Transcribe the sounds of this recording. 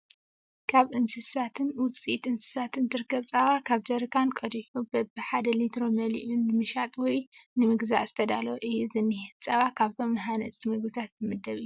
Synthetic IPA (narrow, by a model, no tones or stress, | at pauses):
kʰaβʔɨnsɨsat̪ʰɨnwʊt͡sʼit̪ɨnsɨ̥sat̪ʰɨnd̪ɨɾkʰɐβt͡sʼaβakʰaβd͡ʒɐɾɨkʰankʼɐd̪iħubɐbɨħad̪ɐlit̪ɾo̞mɐlḭʔunːɨmɨʃat̪ʼwɔjnɨmɨɡza̰ʔz̥ɨt̪ʰɐd̪aloʔɨjizɨnːihɨt͡sʼaβakʰaβt̪ʰo̞mnɨɦanɐt͡sʼimɨɡlɨt̪ʰat̪zɨmɨd̪ːɐβɨjːuu